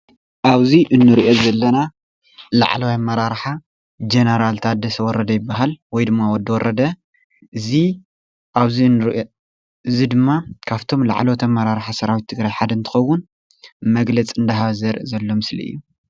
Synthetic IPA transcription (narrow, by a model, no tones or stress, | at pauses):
ʔaβziʔɨnːɨɾiʔozɐlːɐna | la̰ʕlɐwajmɐɾaɾħa | d͡ʒenɐɾalt̪ʰad̪ɐsɐwɔɾʔɐd̪ɐjɪbːaɦalwɔjd̪ɨmːawɔd̪ːɐwɔɾʔɐd̪ɐ | ʔɨzi | ʔaβzinːɨɾʔo | ɨzid̪ɨmːakʰaβt̪ʰo̞mla̰ʕlowt̪ʰɐmːɐɾaɾħasɐɾawit̪ʰːɨɡɾajħad̪ɨnt̪ʰɨ̥xɐwːʊn | mɐɡlɐt͡sʼɨnd̪ɐɦaβzɐɾʔzɐlːo̞mɨslḭʔɨ̰jːu